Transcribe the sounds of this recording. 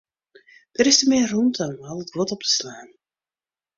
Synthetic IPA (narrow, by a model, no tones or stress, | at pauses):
d̥əɾɪstəmɪːrruntʰɔmɑlˠət̚ɡwɔtɔp̚tə̥slaːn